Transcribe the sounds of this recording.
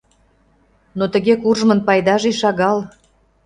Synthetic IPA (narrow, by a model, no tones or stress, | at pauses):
not̪ə̆ɣekurʒmə̆npɑjd̪ɑʒiʃɑɣɑl